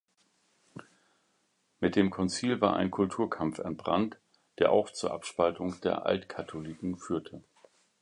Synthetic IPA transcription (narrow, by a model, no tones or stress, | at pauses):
mɪt̚d̥eːmkʰɔnt͡siːlvaːɐʔa̰ɪnkʰʊltʰuːɐkʰamfɛ̰nt̚b̥ʁa̰nt | d̥eːɐʔa̰ʊxt͡suːɐʔapʃpaltʊŋd̥eːɐʔa̰ltkʰatʰolikŋ̩fyːɐtʰə